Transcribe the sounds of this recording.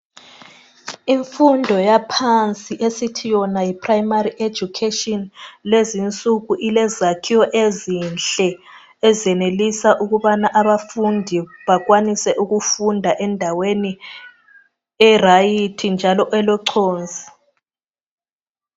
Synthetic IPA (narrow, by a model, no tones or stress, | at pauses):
iɱfundʱɔjapʰant͡sʼiʔesitʰijɔnajipʰʼrajmariʔe̥d͡ʒukʰetɔnlezint͡sʼuɣuʔilɛzakʰiwɔʔezinɬt͡ɬɛ | ɛzɛnelisaʔuɣuβanaʔaβafundʱiβaɣwanisɛʔuɣufundʱaʔɛndʱaweni | ɛrajitʰind͡ʒʱalɔʔɛlɔǀʰoːnzʱi